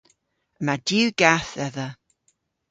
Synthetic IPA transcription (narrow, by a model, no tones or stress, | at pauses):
əmadjʉːɡaθɛðə